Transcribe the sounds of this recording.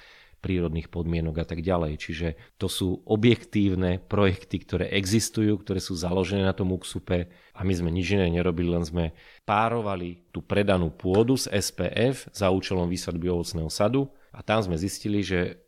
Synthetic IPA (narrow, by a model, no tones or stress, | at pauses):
pɾiːɾɔd̪niːxpɔd̪mɪɛnɔɡat̪aɡɟalɛjt͡ʃiʒɛt̪ɔsuːʔɔbjɛkt̪iːʊnɛpɾɔjɛkt̪ikt̪ɔɾɛ̰ːʔɛɡzist̪ujuːkt̪ɔɾɛːsuːzalɔʒɛnɛːnat̪ɔmuksupɛ | amizmɛɲid͡ʒinɛɲɛɾɔbililɛnzmɛ | paːɾɔʋalit̪uːpɾɛd̪anuːpʊɔd̪uzɛspɛ̰ːʔɛfz̥auːt͡ʃɛlɔmʋiːslad̪biɔʋɔt͡snɛːɦɔsad̪u | at̪amzmɛzisciliʒɛ